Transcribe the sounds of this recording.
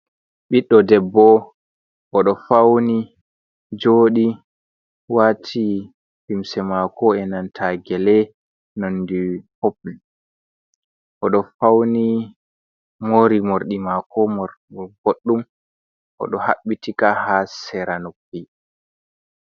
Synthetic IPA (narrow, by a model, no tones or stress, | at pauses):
ɓiɗːɔdɛbːɔ | ʔɔɗɔfawni | d͡ʒoːɗi | watʰi | himsɛmakɔɛnantʰaɡɛlɛ | nondihopl | ʔɔɗɔfawni | moɾimoɾɗimakɔmɔɾɡoɗːum | ʔɔ̰ɗɔha̰ɓːitikahasɛɾanokːi